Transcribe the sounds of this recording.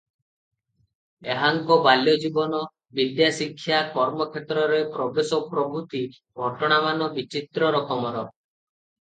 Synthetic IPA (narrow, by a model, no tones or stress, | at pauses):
eɦaŋkɔbaljɔd͡ʒibɔnɔ | bid̪jasikʰːjakɔɾmɔkʰet̪ɾɔɾepɾɔbesɔpɾɔbʱut̪i | ɡʱɔʈɔɽ̃amanɔbit͡ʃit̪ɾɔɾɔkɔmɔɾɔ